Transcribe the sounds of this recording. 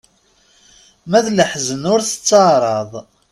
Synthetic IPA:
mæðləħzənʊɾθə̥t͡sːəʕɾˤɑðˤ

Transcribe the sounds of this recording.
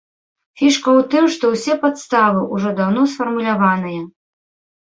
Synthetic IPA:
fʲiʂkɐwt̪ɨmʂt̪ɔwsʲɛpat̪st̪avɨʔuʐɔd̪awn̪ɔsfɐrmulʲavanɨjɐ

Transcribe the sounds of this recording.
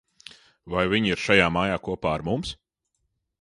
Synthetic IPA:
vajviɲiɾʃajaːmaːjaːkuɔpaːaɾmums

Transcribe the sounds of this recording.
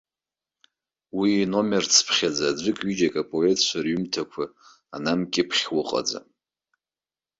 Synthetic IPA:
wino̞mert͡sʰpʰχʲad͡zaːd͡ʒʷɨkʼɥid͡ʒakʼapʼo̞e̞tʰʼt͡ʃʷʰarɥymtʰakʷʰa | anamkʲʼɪpʰχʲwʊqʼa̰d͡za̰

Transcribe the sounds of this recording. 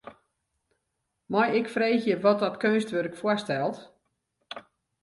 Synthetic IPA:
mɔjɪkfreːxjəʋɔt̚ɔtkønstʋørɪkfwɔstɛlˠt

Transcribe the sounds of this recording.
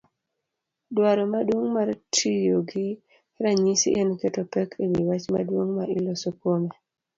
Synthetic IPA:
dwaɾɔmadwoŋmaɾtʰijoɡi | ɾaɲisḭʔenketɔpɛkʰewiwat͡ʃma̰dwoŋmailɔsokome

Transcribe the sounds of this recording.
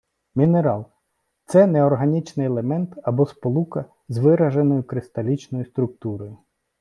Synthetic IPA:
mʲineɾɑlˠ | t̪sɛneɔrɦɐnʲit͡ʃnɪjelˠemɛnt̪ɐbɔspɔlˠukɐ | zʋɪɾɐʒenɔjʊkɾɪst̪ɐlʲit͡ʃnɔjʊst̪ɾʊk̚t̪uɾɔjʊ

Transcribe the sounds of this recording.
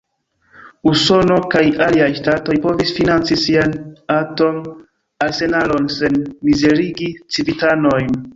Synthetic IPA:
uso̞no̞kajaliajʃtato̞jpo̞visfinant͡sisianato̞n | alse̞nalo̞nse̞nmize̞ɾiɡit͡sivitano̞jn

